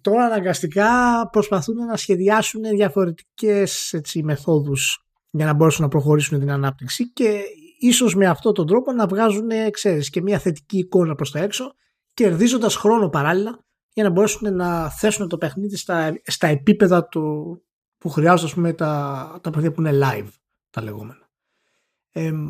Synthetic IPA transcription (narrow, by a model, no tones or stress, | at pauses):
t̪o̞ɾɐːnɐŋɡɐst̪ikɐpɾo̞spɐθune̞nɐsçe̞ðiɐsune̞ðʝɐfo̞ɾe̞t̪i̥ce̞se̞t͡sime̞θo̞ðus | ʝɐnɐbo̞ɾe̞sunnɐpɾo̞xo̞ɾisunet̪inɐnɐp̚t̪iksice̞iso̞zme̞ɐft̪o̞t̪o̞nd̪ɾo̞po̞nɐvɣɐzune̞kse̞ɾisce̞mɲɐθe̞t̪i̥ciːko̞nɐpɾo̞st̪oe̞kso̞ | ce̞ɾðizo̞nd̪ɐsxɾo̞no̞pɐɾɐlilɐ | ʝɐnɐbo̞ɾe̞sune̞nɐθe̞sune̞t̪o̞pexniðist̪ɐst̪ɐe̞pipe̞ðɐt̪o | puxɾiɐzod̪ɐspumet̪ɐt̪ɐpexniðipuinelɐjv | t̪ɐle̞̰ɣo̞̰me̞nɐ | e